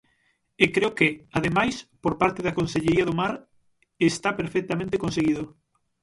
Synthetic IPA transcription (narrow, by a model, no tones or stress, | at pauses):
ekɾeokeaðemajspoɾpaɾt̪eðɐkõnseʎeɾiaðomaɾ | est̪apeɾfɛk̚t̪amẽnt̪ekonseɣiðo